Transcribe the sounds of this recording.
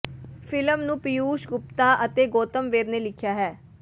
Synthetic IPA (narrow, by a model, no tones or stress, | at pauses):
fʰɪləmnũːpɪjuːʃɡʊp̚t̪aːʔət̪eːɡoːt̪əmʋeːɾneːlɪkʰjaːɦɛː